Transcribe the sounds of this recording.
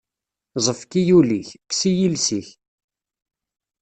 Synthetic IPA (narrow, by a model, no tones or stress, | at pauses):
zˤəfkijuliçksijilsiç